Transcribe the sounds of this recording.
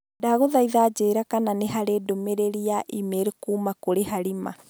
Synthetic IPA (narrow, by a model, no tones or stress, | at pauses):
daɣoðaiðad͡ʒeːɾakananeɦaɾedomeɾeɾiaʔimeɾekuːmakoɾeɦaɾima̰